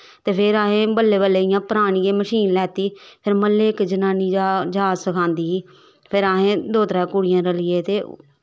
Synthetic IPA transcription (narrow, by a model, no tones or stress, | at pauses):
t̪eːpʰɪɾaːɦẽːbəlːeːbəleːɪjãːpəɾaːɳ̃iːeːməʃiːnlɛːt̪iːpʰɪɾməlːeːɪkd͡ʒənaːniːad͡ʒaːsəkʰãːnd̪iː | pʰɪɾaːɦẽːd̪oːt̪ɾɛːkuɽɪjãːɾəlɪːeːt̪eː